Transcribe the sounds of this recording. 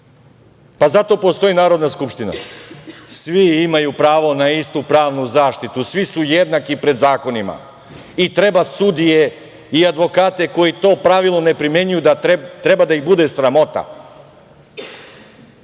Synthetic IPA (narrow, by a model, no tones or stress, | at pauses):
pazat̪o̞po̞st̪o̞inaːɾo̞d̪naskupʃt̪ina̰ | sʋiimajupɾaːʋo̞naist̪upɾaːʋnuzaːʃt̪it̪usʋisujed̪nakipɾe̞d̪zaːko̞nima̰ | it̪ɾe̞basud̪ije̞ | iad̪ʋo̞kaːt̪e̞ko̞jit̪o̞ːpɾaʋilˠnone̞pɾimje̞ɲujud̪at̪ɾe̞bad̪aiɣbud̪e̞sɾamo̞t̪a̰